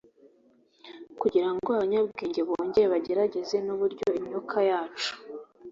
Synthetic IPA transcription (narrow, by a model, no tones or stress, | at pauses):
kuɟiɾaŋɡoaβaɲabɡiːɲɟe̞βoːɲɟe̞ɾeβaɟe̞ɾaɟe̞ze̞nuβuɾɟo̞iɲokʰajaːt͡ʃu̥